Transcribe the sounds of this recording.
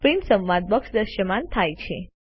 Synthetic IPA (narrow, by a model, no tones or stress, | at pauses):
pɾinʈsə̃mʋad̪̚bəkʂd̪əɾʃəmant̪ʰajt͡ʃʰe